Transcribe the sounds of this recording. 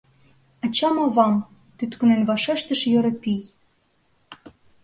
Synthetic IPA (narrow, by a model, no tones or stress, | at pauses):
ɑt͡ɕɑmɤ̆βɑm | t̪yt̪kə̆nenβɑʃeʃt̪ə̆ʃjø̆ɾɤ̆pij